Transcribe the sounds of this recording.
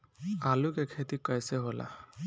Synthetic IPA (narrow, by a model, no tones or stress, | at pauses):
alukɛkʰet̪ikajsɛɦola̰